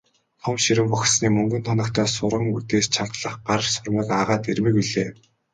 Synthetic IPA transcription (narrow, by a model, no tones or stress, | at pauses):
t̪ʰɔmʃiɾɘ̆mpʊxʲsniːmɵŋɡɵ̆nt̪ʰɔnɞ̆kt̪ʰæːsʊɾʁə̆ŋut̪eːst͡ɕʰant̪ɮə̆χɢaɾ̆sʊrmə̆kaʁaːt̪ermɘ̆kiɮeː